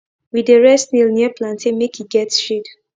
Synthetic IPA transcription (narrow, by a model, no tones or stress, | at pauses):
widəɹɛstnilniəplãntʰĩnmekiɡɛtsʃid